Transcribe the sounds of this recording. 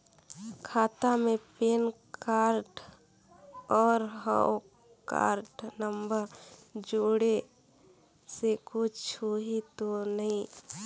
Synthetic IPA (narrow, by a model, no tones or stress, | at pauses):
kʰaːt̪amepeːnkaɾɖ | ɔːɾɦə̰o | ka̰ːɾɖnəmbəɾd͡ʒoːɽe | sekut͡ʃʰoɦit̪onəĩ